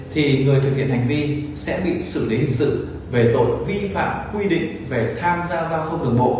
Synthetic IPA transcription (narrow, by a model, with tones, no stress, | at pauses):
t̪ʰi˨˩ŋɨ˨˩əjt̪ɨ˨˩k̚ːḭ˧˨ənha˨˩jŋ̟vi˧nsɛ̰˧˥ɓḭ˧˨sɨ˧˩li˨˦hï˨˩ŋ̟sɨ̰˧˨ | ve˨˩t̪o̰˧˨jvi˧fa̰ː˧˨mkwi˧ɗḭ˧˨ŋ̟ve˨˩t̪ʰaː˧mzaː˧zaː˧wt̪ʰə˧wŋ͡mɗɨ˨˩əŋ͡mɓo̰˧˨